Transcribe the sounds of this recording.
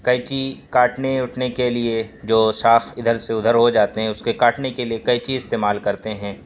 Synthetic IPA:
kɐjt͡ʃikaːʈneʊʈʰnekelied͡ʒoːʃaːxɪd̪ʱəɾseʊd̪ʱəɾɦod͡ʒaːt̪eɦɛ̃ʊskekaːʈnekeliekɐjt͡ʃiɪst̪eːmaːlkɐɾt̪eɦɛ̃ː

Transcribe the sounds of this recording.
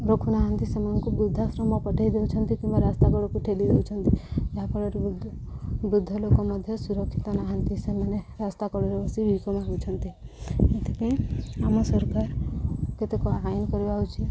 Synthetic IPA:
ɾokʰunaɦənt̪isemənkubɾud̪ʱːasɾɔmɔpɔʈʰajd̪eut͡ʃʰənt̪ikĩmbaɾast̪akɔɽɔkuʈʰelid̪ewt͡ʃʰənt̪id͡ʒaɦapɔɽeɾd̪ | bɾud̪ʱːɔlokɔmɔd̪ʱjɔsuɾɔkʰːit̪anaɦənt̪iseməneɾast̪akɔɽɔɾɔbɔsibʱikɔmaɡut͡ʃʰɔnt̪iet̪ʰekẽamɔsɔɾkaɾket̪ekɔaajnkɔɾbaɦut͡ʃʰi

